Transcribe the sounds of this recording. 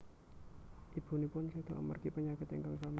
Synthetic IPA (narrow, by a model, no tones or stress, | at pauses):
ʔib̥ṳnipʊnsed̪̥a̤ʔmə̰rkipəɲakɪt̪ɪŋkaŋsama